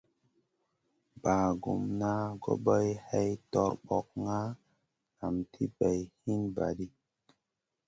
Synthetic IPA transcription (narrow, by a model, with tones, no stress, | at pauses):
baː˨ɡu˨mna˦ɡo̰˦ɓə˦jhɛ˦jtɔ˦˨ɾɓɔ˨k̚ŋa˦ | ŋa˨mtʰi˦bɛ˨jhi˦nba̰˨ɗi˦